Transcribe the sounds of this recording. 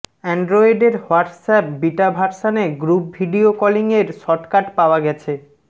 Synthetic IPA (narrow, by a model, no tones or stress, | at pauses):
ɛɳɖɾɔiɖeɾhoaʈsɛp̚biʈabʱaɾʃaneɡɾup̚bʱiɖiokɔliŋeɾʃɔʈkaʈpaoaɡɛt͡ɕʰe